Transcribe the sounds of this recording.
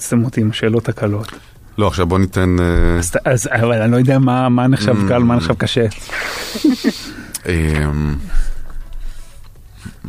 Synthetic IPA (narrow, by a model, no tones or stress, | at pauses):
t͡stemot̪imaʃeːlo̞thakalo̞t̪ | lo̞aχʃavbonit̪enezaʔazavalanilojod̪eamamaneχʃavkalomaneχʃavkaʃe | ʔem